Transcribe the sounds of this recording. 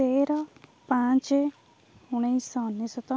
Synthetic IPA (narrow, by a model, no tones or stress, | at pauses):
eɾɔpãt͡ʃe | uɽ̃ejsɔnːisɔt̪ɔ